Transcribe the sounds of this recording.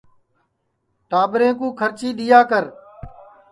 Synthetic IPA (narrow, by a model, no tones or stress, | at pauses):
ʈaːbɾẽːkũːkʰəɾt͡ʃiːɗɪjaːkəɾ